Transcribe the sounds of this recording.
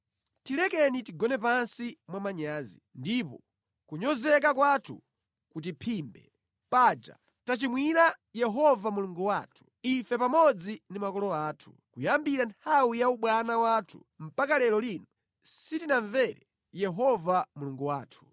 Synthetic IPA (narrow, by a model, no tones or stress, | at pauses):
tilɛkɛnitiɡɔnɛp̬ansimwamaɲaːzindipɔ | kuɲɔzɛk̬akwatʰṵ | kut̬ipʰimbɛ̰ | paːd͡ʒa̰ | tat͡ʃimwinajɛɦɔvamuluŋɡuwaːtʰu̥ifɛpamɔd͡zinimakɔlɔaːtʰu̥ | kujambiɾantʰawijauɓwanawaːtʰu̥̰ | m̩pakalɛlɔlinɔ | sitinaɱvɛɾɛ | jɛɦɔvamuluŋɡuwaːtʰu̥